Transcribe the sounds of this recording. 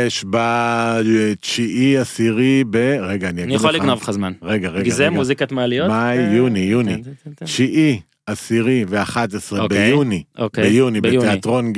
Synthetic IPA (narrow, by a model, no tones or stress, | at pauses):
jeʃba | t͡ʃiʔiasiʁibeʁeɡaːniaɡnijaχolliɡnovχazmanʁeɡaʁeɡazemuzikat̪malijomajːunijunit͡ʃiʔi | asiʁiveaχat̪esʁebejuniokbejunibetteat̪ʁo̞n